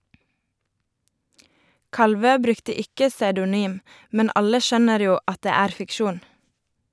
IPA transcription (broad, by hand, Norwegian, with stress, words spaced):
ˈkɑlˌʋøː ˈbɾʉktə ˈɪkə sɑʉdʊˈnyːm ˈmɛn ˈɑlə ˈʃœnəɾ ˈjuː ˈɑt ˈdeː ˈæːɾ fɪkˈʃuːn